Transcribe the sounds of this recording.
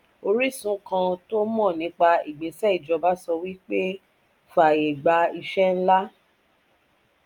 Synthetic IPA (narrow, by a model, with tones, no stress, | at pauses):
o˧ɾi˦˨sũ˦kã˧to˦mɔ̃˦˨nĩ˨˦k͡pa˧i˨ɡ͡bĩ˨˦sɛ˦i˨d͡ʒɔ˧ba˦sɔ˧wi˦k͡pe˦ | fa˨je˨ɡ͡ba˧i˧ʃɛ˦n̩˦la˦